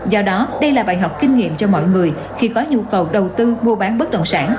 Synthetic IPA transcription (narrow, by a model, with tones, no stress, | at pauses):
zɔ˧ɗɔ˨˦ɗə˧jlaː˨˩ɓaː˧˨jɦɔ˨˩k͡p̚kï˧ŋ̟ŋḭ˧˨əmt͡ɕɔ˧mɔ̰˧˨jŋɨ˨˩əj | xi˧kɔ˨˦ɲu˧kə˨˩wɗə˨˩wt̪ɨ˧mu˧ɓaː˨˦nɓə˦˥t̚ɗə̰˧˨wŋ͡msaː˧˥n